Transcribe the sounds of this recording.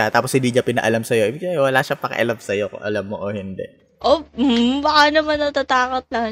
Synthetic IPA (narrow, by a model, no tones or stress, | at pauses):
at̪aːposhɪnd̪iːɲɐpɪnɐ̰ʔɐlamsɐjoʔɪbɪɡsaɛwɐlaːʃapɐkɐ̰ʔɐ̰lamsɐjo̰ʔɐlamːoʔohɪnd̪ɛʔ | ʔoh̩bɐkanɐmanːɐt̪at̪aːkot̪̚lɐ